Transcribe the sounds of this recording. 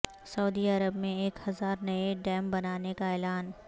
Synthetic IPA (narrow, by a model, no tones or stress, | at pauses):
sɐuːd̪iɐɾəbmẽeːkhɐzaːɾnɐeɖɛːmbɐnaːnekaɛːlaːn